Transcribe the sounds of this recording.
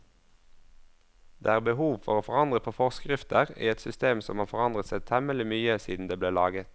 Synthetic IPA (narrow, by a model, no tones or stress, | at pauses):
d̪̥ḛːæːʁbəhuːʋfɔ̰ʁoːfɔʁɑnd̪ʁəpʰoːfɔʁskʁɪft̪əʁḭːɛt̪sʏst̪eːmsɔmhɑːʁfɔʁɑnd̪ʁət̪sɛt̪ʰɛməlɪmyːəsiːd̪n̩d̪eːbleːlɑ̰ːɡət̪